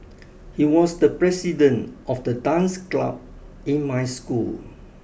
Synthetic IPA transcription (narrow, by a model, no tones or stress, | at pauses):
hiwɔsdəpɹɛsidə̃ntʔɔfdədãnskla̰b̚ | ĩnmajskul